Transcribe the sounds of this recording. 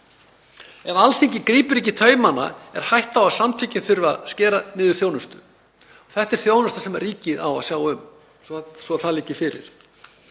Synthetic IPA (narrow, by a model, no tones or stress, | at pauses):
ɛnalθiɲcɪkɾiːpʏɾɪhcːɪt̪ʰœːɥmanːa̰ɛɾ̥hajht̪aawaðsamt̪ʰicɪnθʏɾva̰ðscɛːɾanɪːðʏɾ̥θjoːwnʏst̪ʏ | ɔθɛht̪ːɛɾ̥θjoːwnʏst̪ḁsɛmarːiːcɪða̰wa̰sjaːwʏm | ssvɔθaðlɪːcɪfɪːɾɪ̰ɾ̥